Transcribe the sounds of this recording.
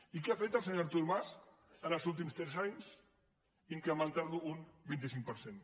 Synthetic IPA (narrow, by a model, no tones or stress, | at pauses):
ikeafet̪əlsəɲaɾt̪uɾmas | ənəlˠzulˠt̪̬imst̪ɾɛzaɲs | iŋkɾəmə̃nt̪aɾluːnbint̪̬isiŋk̚pəɾsen